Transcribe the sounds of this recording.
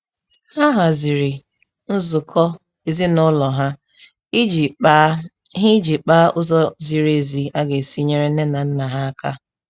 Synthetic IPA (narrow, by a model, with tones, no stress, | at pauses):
ha˦ɦa˨zi˨ɾi˨ | n̩˦zʊ˨kʰɔ˦ | e˨zi˦nʊ˦lɔ˨ɦa˦˨˦ | ɦɪ˦d͡ʒi˨k͡pa˦ʊ˦zɔ˦zi˨ɾe˨zi˨a˦ɡe˨si˦ɲe˦ɾe˦ne˦na˨n̩˦na˨ɦa˦a˦ka̰˦